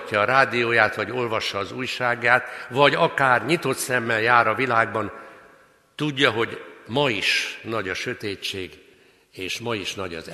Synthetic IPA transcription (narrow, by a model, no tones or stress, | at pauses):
cːɒːɾaːd̪ijoːjaːt̪ʋɒɟo̞lvɒʃːɒːzuːjʃaːɡːaːt̪ʋɒɟɒkaːrɲit̪o̞t̪sɛmːɛljaːɾɒvilaːɡbɒn | t̪uɟːɒɦo̞ɟmɒiʃnɒɟɒʃøt̪eːt͡ʃːeːɡ | eːʃmɒiʃnɒɟɒ̰z